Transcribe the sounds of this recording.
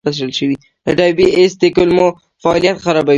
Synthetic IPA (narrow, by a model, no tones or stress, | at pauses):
aʃ̬əlʃəwi | əɖɑjbiesd̪əkʊlmo | faːlijat̪xaɾɑba